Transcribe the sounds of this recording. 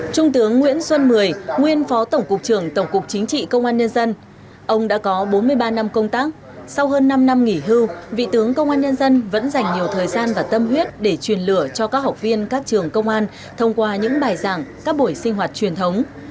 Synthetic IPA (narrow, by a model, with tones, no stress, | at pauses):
t͡ɕʊ˧ŋ͡mt̪ɨ˨˦əŋːwḭ˧˥ənswə˧nmɨ˨˩əjŋwi˧ənfɔ˨˦t̪ə˧˩wŋ͡mkʊ˨˩k̚t͡ɕɨ˨˩əŋt̪ə˧˩wŋ͡mkʊ˨˩k̚t͡ɕï˨˦ŋ̟t͡ɕḭ˧˨kə˧wŋ͡mʔaː˧nɲə˧nzə˧n | ʔə˧wŋ͡mɗa̰ː˧˥kɔ˨˦ɓo˨˦nmɨ˧əjɓaː˧na˧mkə˧wŋ͡mt̪aː˦˥k̚ | sa˧wɦəː˧nːa˧mna˧mŋi˧˩ɦɨ˧wvḭ˧˨t̪ɨ˨˦əŋkə˧wŋ͡mʔaː˧nɲə˧nzə˧nvə̰˧˥nza˨˩jŋ̟ɲi˨˩əwt̪ʰəː˨˩jzaː˧nvaː˨˩t̪ə˧mhwi˦˥ət̚ɗe˧˩t͡ɕwi˨˩ənlɨ˧˩ət͡ɕɔ˧kaː˦˥k̚ha˨˩wk͡p̚vi˧ənkaː˦˥k̚t͡ɕɨ˨˩əŋkə˧wŋ͡mʔaː˧n | t̪ʰə˧wŋ͡mkwaː˧ɲɨ̰˧˥ŋɓaː˨˩jzaː˧˩ŋkaː˦˥k̚ɓo˧˩jsï˧ŋ̟ɦwaː˨˩t̚t͡ɕwi˨˩ənt̪ʰə˨˦wŋ͡m